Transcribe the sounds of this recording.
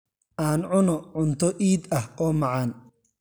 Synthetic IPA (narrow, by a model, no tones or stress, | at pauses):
ʔaːnʕʊnɔʕʊnt̪ʰɔʔiːd̪ɐhɔːmɑʕɑːn